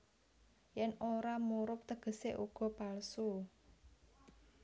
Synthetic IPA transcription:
jɛnoɾamuɾʊp̚t̪əɡ̥ə̤seʔuɡ̥ɔ̤palsu

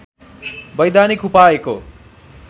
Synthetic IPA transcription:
bʌjd̪anikupaeko̰

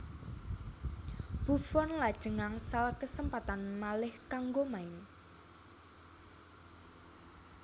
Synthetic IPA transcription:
b̥ufɔnlad̥ʒ̥ə̤ŋaŋsalkəsəmpat̪anmalɪhkaŋɡomaɪn

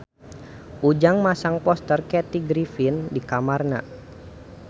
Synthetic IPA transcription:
ʔud͡ʒaŋmasaŋpɔst̪ərkɛt̪iɡɾifindikamarna̰

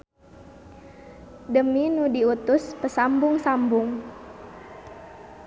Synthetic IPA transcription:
dəminudiut̪ʊspəsambʊŋsambʊŋ

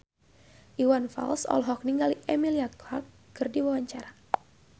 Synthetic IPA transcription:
ʔiwanfa̰lsɔ̰lɦɔk̚niŋɡaliʔemiliaklakːɨrdiwawaɲt͡ʃaɾa

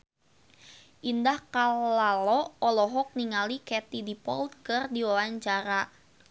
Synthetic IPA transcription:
ʔindahkaalɔɔlɔɦɔk̚niŋalikɛt̪idipɔ̰lt̪̚kɨrdiwawaɲt͡ʃaɾa

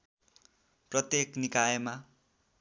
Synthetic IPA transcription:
prʌt̪jeknikajema

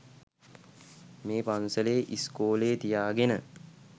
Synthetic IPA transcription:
meːpansəleːʔiskoːleːt̪ijaːɡenə

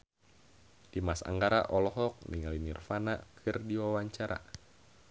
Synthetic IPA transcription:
d̥imasa̰ŋɡaɾaʔɔlɔɦɔk̚niŋalinirfanakʰɨrdiwawaɲt͡ʃaɾa̰

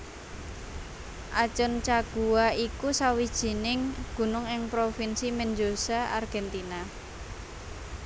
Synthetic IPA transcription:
ʔat͡ʃʊnt͡ʃaɡ̥uaikusawid̥ʒ̥i̤nɪŋɡ̥ṳnʊŋɪŋpɾofinsimɛnd͡ʒosaʔarɡ̥ɛnt̪ina

